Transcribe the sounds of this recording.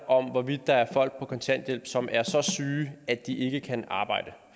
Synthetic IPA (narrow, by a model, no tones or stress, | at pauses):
ɒ̽mʋɒʋid̥̚ːɑ̈æɐfɒ̽l̰ɡ̥̚pʰɒ̽kʰɒ̽nsʰænd̥jel̰b̥sɒ̽mʔæɐsɒ̽syːæd̥iʔe̝ɡ̥əkʰænɑ̈ːb̥ɑ̈ɪ̰d̥ə